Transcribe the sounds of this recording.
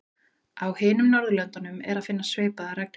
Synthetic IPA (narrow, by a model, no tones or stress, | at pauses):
awhɪːnʏmnɔɾðʏlœnt̪anʏmɛɾaðfɪnːasveːjpaðaɾɛk̚n